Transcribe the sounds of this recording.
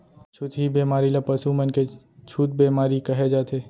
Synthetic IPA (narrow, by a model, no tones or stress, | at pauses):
t͡ʃʰʊt̪ʰɦibeːmaːɾilɐpɐsumənke | t͡ʃʰuːt̪̚beːmaːɾikɐɦed͡ʒaːt̪ʰeː